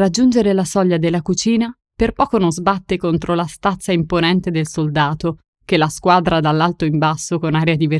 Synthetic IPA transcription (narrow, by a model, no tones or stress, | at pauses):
rad͡ʒːund͡ʒeɾelasɔʎːad̪elːakut͡ʃiːna | perpɔːkonõnzbat̪ːekont̪ɾolast̪at̪sːaimponɛnt̪ed̪elsold̪aːt̪o | k̟elːaskwaːd̪ɾad̪alːalt̪oimbasːokonaːɾead̪ive